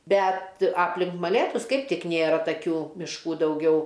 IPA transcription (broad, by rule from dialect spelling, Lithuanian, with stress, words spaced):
ˈbʲɛt ˈɑːpʲlʲɪŋk mɐˈlʲeːtʊs ˈkɐɪp ˈtʲɪk ˈnʲeːrɐ tɐˈkʲuː mʲɪʃˈkuː dɐʊˈɡʲɛʊ